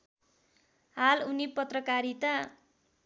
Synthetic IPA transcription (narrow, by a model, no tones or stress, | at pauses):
halunipʌt̪rʌkaɾit̪a